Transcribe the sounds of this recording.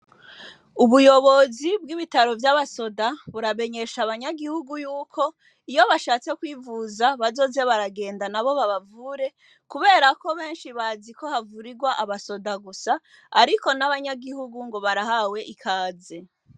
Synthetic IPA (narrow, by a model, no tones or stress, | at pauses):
uβujo̞βo̞zibɡiβitaɾo̞vjaβaso̞daβuɾame̞ɲe̞ʃaβaɲaɡihuɡujuːkʰo̞ | ijo̞βaʃaːt͡se̞kwiːvuzaβazo̞ːze̞βaɾaɡe̞ːndanaβo̞βaβavuːɾe̞ | kuβe̞ːɾako̞βe̞ːnʃiβaziko̞havuɾiɡwaʔaβaso̞daɡusaː | ɾiko̞naβaɲaɡihuɡuŋɡo̞βaɾahawe̞ʔikʰaːze̞